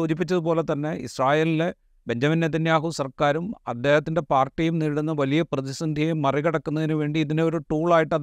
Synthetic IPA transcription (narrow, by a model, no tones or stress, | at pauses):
oːd͡ʑip̬ːit͡ɕːɐðupo̞ːle̞t̪ɐnːe̞ḭsraːjeːlile̞ | be̞nd͡ʑɐminjeðinjaːɦusɐrkaːɾumɐd̪ːe̞ːhɐt̪ːinde̞paːrʈːijumniɽunːɐʋɐlijɐprɐðisɐnd̪ʱjɐjumːɐriɣɐɽɐkːunːɐðinuʋe̞ːɳɖiːðineo̞ɾuʈuːɭaːjiʈːɐ